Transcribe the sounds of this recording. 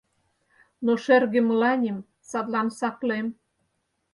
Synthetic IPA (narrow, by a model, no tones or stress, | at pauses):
noʃerɣĕmə̆lɑnʲim | sɑt̪lɑnsɑklem